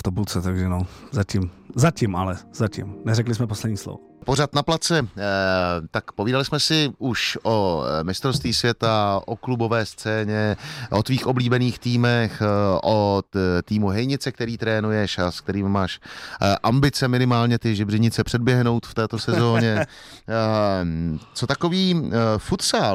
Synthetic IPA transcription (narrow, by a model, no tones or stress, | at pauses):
ft̪obult͡sɛt̪aɡʒɛnozacɪmzacɪmʔalɛz̥acɪ̰mnɛɾɛklɪsmɛposlɛdɲiːslo̰vopo̞rat̪naplat͡sɛ | t̪akpoviːdalɪsmɛsɪʔuʃʔomɪst̪ɾost̪viːsvjɛt̪aʔoklubo̞vɛːst͡sɛːɲɛʔo̞t̪viːxʔo̞bliːbɛniːxt̪iːmɛxʔot̪iːmuɦɛjɲɪt͡sɛk̚t̪ɛɾiːt̪ɾɛːnujɛʃask̚t̪ɛɾiːmmaːʃʔambɪt͡sɛmɪnɪmaːlɲɛt̪ɪʒɪbrɪɲɪt͡sɛpr̝̥ɛd̚bjɛɦno̞wt̪ft̪ɛːt̪o̞sɛzo̞ːɲɛ | t͡so̞t̪akoviːfut̪saːl